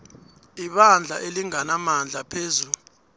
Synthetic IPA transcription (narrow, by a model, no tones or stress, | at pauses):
iɓand͡ɮʱa̰ʔeliŋanamand͡ɮʱapʰeːzulu